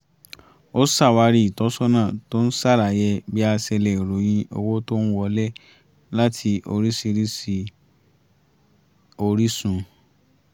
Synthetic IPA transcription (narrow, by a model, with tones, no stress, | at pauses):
o˦sa˦˨wa˧ɾi˦i˨tɔ˨˦sɔ˦nãː˦˨to˦n̩˦sa˦˨ɾa˨jɛ˧bi˦a˧sɛ˧lɛ˨i˨ɾo˨˦j̃ĩ˧o̰˧wo˦to˦n̩˦wɔ˧lɛ˦ | la˦tʰi˧o̰˧ɾi˦si˧ɾi˦si˧ | o˧ɾi˦sũ˧